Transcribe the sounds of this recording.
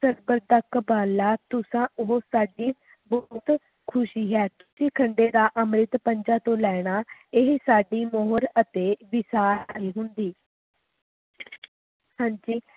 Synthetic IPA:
səɾbəɾd̪əkbaːlaːt̪ʊsãːoɦosaːɖiː | bɔːt̪ | kʰʊʃiːɦɛːt̪ʊ̥sĩːkʰəɳɖeːd̪aːʔəmɾɪt̪pəɲd͡ʒãːt̪õːlɛːɽ̃aːɪɦsaːɖiːmɔːɦɾət̪eːʋɪsaːɾaiːɦʊnd̪iː | hãːɲd͡ʒiː

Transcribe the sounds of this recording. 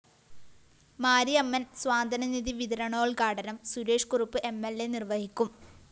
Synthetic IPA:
maːɾiɐmːɐnsʋaːnd̪ʱɐnɐniðiʋid̪ɾɐɳo̞ːɭkaːɽɐnɐmsuɾeːʂkurupːɨʔe̞mːelːenirʋɐhikʲːum

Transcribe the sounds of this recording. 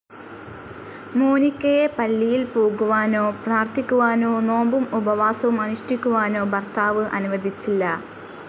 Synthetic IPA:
moːnikʲːɐjepɐlːijilpoːɡuʋaːno̞ːpraːrt̪ʰikʲːuʋaːno̞ːno̞ːmbumubɐʋaːsɐʋumɐnuʂʈikʲːuʋaːno̞ːbɐrt̪ʰaːʋɨʔɐ̰nuʋɐd̪ʱit͡ɕːilːɐ

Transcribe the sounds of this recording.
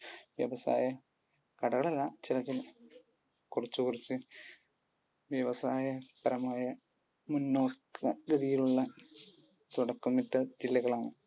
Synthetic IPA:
ʋjɐ̰ʋɐsa̰ːjɐ | kɐɽɐɣɐɭɐlɐt͡ɕilɐt̪ːil | kurɐt͡ɕːukurit͡ɕːɨ | ʋjɐʋɐsaːjɐpɐɾɐmaːjɐ | munːoːkʰːɐd̪iðijiluɭːɐ | t̪uɽɐkːumːiʈːɐd͡ʑilːɐɣɐɭaːɳɨ

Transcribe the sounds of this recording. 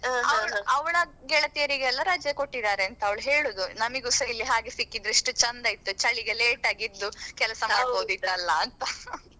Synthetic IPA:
ɐʋɐɭɐʋɐɭɐɡɛɭɐt̪ijɐɾiɡɛlːɐɾaːd͡ʒjɐkoʈːid̪aːɾeɐnt̪ɐɐʋɐɭuɦeːɭuːd̪unɐmiɡusɐjlːiɦaːɡesikːid̪ɾiʂʈut͡ʃɐnd̪ɐjit̪ːut͡ʃɐɭiɡeleːʈaːɡid̪ːukɛlɐsɐmaːɽkoːd̪id̪ɐlːɐɐnt̪ɐ

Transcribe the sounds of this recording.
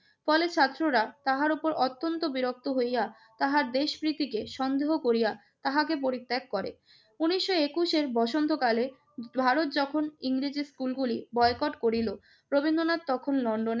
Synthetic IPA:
fɔlet͡ɕʰat̪ːɾoɾat̪aɦaɾupoɾɔt̪ːont̪obiɾok̚t̪oɦoja | t̪aɦaɾd̪eʃpɾit̪ikeʃɔnd̪eɦokoɾija | t̪aɦakepoɾit̪ːekːɔɾḛ | uniʃːoekuʃeɾbɔʃont̪ʰokale | bʱaɾot̪̚d͡ʑɔkʰoniŋɾid͡ʑiskulɡulibɔekɔʈkoɾilo | pɾobind̪onatt̪ːɔkʰonlɔɳɖone

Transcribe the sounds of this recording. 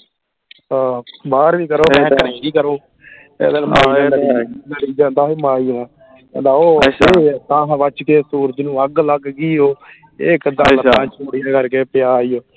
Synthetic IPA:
aːbaːɾʋiːkəɾoːmɛ̃ːkəɾẽːɡiːkəɾoː | ḛːd̪ənmaːiːaːnəiləɾiːd͡ʒãːnd̪aːɦiːmaːiːnãː | ɛ̰̃ːd̪aːoːeːt̪ãːɦʋət͡ʃkeːsuːɾəd͡ʒnũːəɡləɡɡiːɦoː | eːkd̪aːləãːt͡ʃʰoːɽɪjaːkəɾkeːpɪjaːijoː

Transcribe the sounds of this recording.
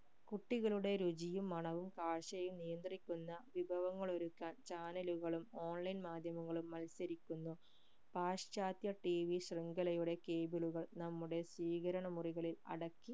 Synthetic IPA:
kuʈːiɣɐɭuɽe̞ɾud͡ʑijumːɐɳɐʋumkaːɻɕɐjumnijɐnd̪rikʲːunːɐʋibʱɐʋɐŋːɐɭo̞ɾukːaːnt͡ɕaːnɐluɣɐɭumo̞ːnlɐjnmaːd̪ʱjɐmɐŋːɐɭumːɐlsɐɾikʲːunːu | paːʂt͡ɕaːt̪jɐʈiʋiɕriŋɡɐlɐjuɽe̞keːbiluɣɐɭnɐmːuɽe̞swiːɣɐɾɐɳɐmuriɣɐɭilɐ̰ɽɐkːi

